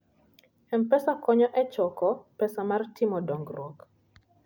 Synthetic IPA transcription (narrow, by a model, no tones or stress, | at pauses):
ɛmpɛsakɔɲɔʔɛt͡ʃɔkɔpɛsamartʰɪmɔdɔŋɡrɔk